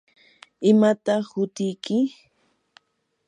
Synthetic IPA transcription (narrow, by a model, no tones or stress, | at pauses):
ɪmat̪ɑχhʊt̪ɪjkɪ